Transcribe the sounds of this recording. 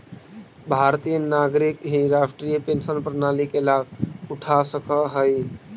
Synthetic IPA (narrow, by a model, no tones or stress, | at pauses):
bʱaɾt̪ijənaɡɾikɦiɾasʈɾijəpensənpɾənalikelabuʈʰasəkəɦəj